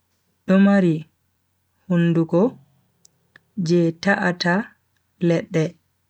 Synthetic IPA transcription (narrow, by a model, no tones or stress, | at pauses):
ɗɔmaɾi | hunːduɡɔ | d͡ʒɛtaʔata | lɛɗːɛ